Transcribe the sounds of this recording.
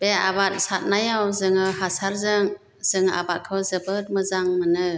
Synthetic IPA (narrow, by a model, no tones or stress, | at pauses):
b̥eabat̚sat̚najawzɯŋɯhasaɾzɯŋ | z̥ɯŋa̰bat̚kʰɯwzɯbɯt̚mɯzaŋmɯnɯ